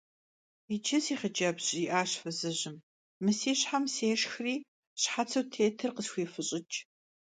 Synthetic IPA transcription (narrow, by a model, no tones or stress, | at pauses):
it͡ʃʰɪsiːχəd͡ʒɐbɕʼiʔaːɕfɐzɨʑɪm | mɨsiːɕħamseːʃxriː | ɕħat͡sʰɐwtʰeːtʰɨrqəsxʷiːfɨɕʼɪt͡ʃʼ